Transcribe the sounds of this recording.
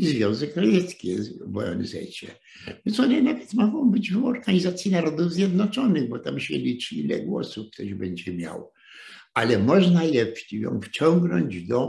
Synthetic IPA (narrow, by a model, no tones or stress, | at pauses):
izvʲjɔ̃w̃zɛkɾajɛt̪skʲɛvɔjɔ̰nɛzɛ̰jt͡ɕɛ̰ | vʲɛnsɔnɛnavɛt̪mɔɡɔ̃w̃bɘd͡ʑvɔɾɡaɲizat̪sʲjinaɾɔd̪uvzʲjɛd̪nɔt͡ʂɔnɘɣbɔt̪amɕɛlʲit͡ʂilɛ̰ɡwɔ̰sufkt̪ɔʑbɛɲd͡ʑɛmʲja̰w | alɛmɔʐnalɛpijɔ̰̃w̃ft͡ɕɔŋɡnɔɲd͡ʑd̪ɔ